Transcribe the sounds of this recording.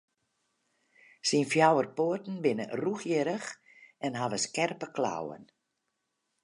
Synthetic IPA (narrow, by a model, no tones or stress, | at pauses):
sinfjawərpoərtn̩bɪnə̰ruxjɪɾəx | ɛnɦaʋəskɛrpəkla̰wə̰n